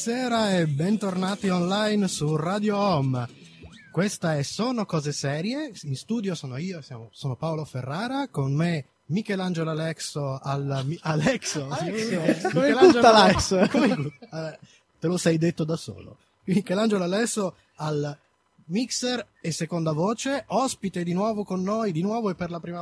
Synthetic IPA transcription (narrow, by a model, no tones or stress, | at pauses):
sɛːɾaɛbɛnt̪ornaːt̪ionlajnsuraːd̪joɔm | kwest̪aɛsoːnokɔːzesɛːɾjeinst̪uːd̪josoːnoiːoesjaːmosoːnopaoloferːaːɾakonme | mikeland͡ʒelalɛksoalmialɛkso | kmielaud͡ʒealɛkskomeɡu | t̪elosɛjd̪et̪ːod̪aso̰ːlo̰ | ikɛland͡ʒeloalɛksːo | al | mikser | esːekond̪avoːt͡ʃeɔspit̪ed̪inwɔːvokonːojd̪inwɔːvoepːerlapɾiːma